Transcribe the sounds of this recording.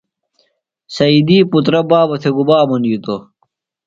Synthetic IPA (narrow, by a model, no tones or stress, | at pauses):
sɐid̪iːput̪ɾɐbaːbɐt̪ʰeɡubaːmɐnjit̪o